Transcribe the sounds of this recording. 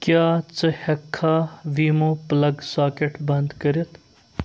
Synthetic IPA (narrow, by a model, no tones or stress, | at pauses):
kjaːt͡səhɐkʰːaʋiːmoplɐɡsaːkeʈbɐnd̪kɐɾjɐt̪